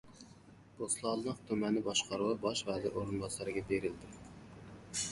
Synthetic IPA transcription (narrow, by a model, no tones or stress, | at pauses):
b̥oslˠɑlˠnəqt̪ʰømɛnːɪbɑʃqɑɾɨwɑbɑʃvæːd̪ɛʔoɾunbɑsɑɾɨɡʲɛbeɾɪld̪ɪ